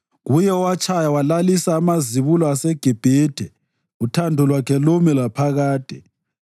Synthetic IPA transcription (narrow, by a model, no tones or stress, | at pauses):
ɣujɛɔwat͡ʃʰʼajawalalisaːmaziβulɔasɛɡ̥ʱib̥ʱeːd̥ʱɛ | utʰandʱɔlwakʰɛlomilapʰaɣaːd̥ʱɛ